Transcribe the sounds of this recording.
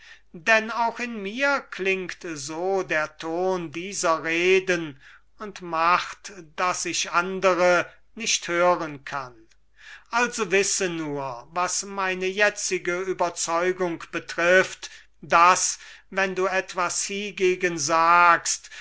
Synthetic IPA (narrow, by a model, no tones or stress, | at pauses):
dɛnaʊxɪnmiːɐklɪŋktzoːdeːɐtʰoːndiːzɐʁeːdən | ʊntmaχtd̥asɪçʔandəʁə | nɪʃthøːʁənkʰan | ʔalzovɪsənuːɐvasmaɪnəjɛt͡sɪɡəyːbɐt͡sɔʏɡʊŋkb̥ətʁ̥ɪft | d̥asvɛnduːɛtv̥ashiɡeːɡənzaːkst